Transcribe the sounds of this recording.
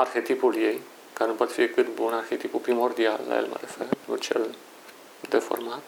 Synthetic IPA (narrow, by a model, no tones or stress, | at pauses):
arxet̪ipuljej | kaɾnupoat̪fiekɨt̪bunarxet̪ipupɾimord̪ialːa̰jḛlmə̰ɾefeut͡ʃḛl | d̪efo̰ɾmat̪